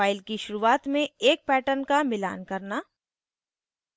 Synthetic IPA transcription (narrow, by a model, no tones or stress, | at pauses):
aːɪlkiʃʊɾuːaːt̪mẽeːk̚pɛːʈənkamɪla̰ːnkɐɾnaː